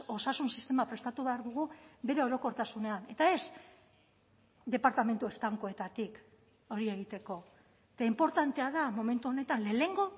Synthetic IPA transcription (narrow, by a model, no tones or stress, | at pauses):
o̞sasunsist̪e̞mapɾe̞st̪at̪uβeaɾðuɣ̞ube̞ɾe̞o̞ɾo̞ko̞ɾt̪asune̞ane̞t̪ae̞s | d̪e̞paɾt̪ame̞nt̪ue̞st̪aŋko̞e̞t̪at̪ik | o̞ɾie̞ɣ̞it̪e̞ko̞ | et̪aimpo̞ɾt̪ant̪e̞aðamo̞me̞nt̪uone̞t̪anle̞ːle̞ŋɡo̞